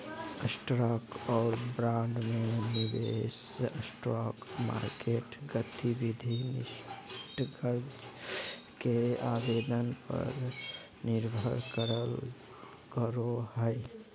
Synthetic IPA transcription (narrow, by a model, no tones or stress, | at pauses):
əsʈɾɔkɔːɾbɾãɳɖmenibes | əsʈɾɔkma̰ɾkeʈɡət̪ibid̪ʱinḭʃʈɡəɾd͡ʒ | keabed̪ənpə̰ɾ | niɾbʱəɾkəɾəl | kəɾoɦəɪ